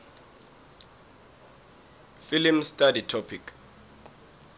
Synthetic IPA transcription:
filimstʼaditʰɔpʰikʰ

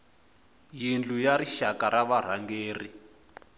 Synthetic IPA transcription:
jind͡ɮujariʃakaɾaβar̤aŋɡeːri

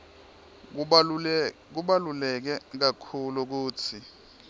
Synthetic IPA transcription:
k̬uɓalulɛk̬ɛk̬akʰuluk̬uːt͡sʰi

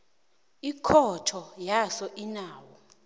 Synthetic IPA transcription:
ikʰɔtʰɔjasɔʔinaːwɔ

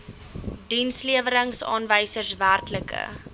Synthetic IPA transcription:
dinsliəvəɾəŋsɑ̰ːnvəjsərsværtləkə̰

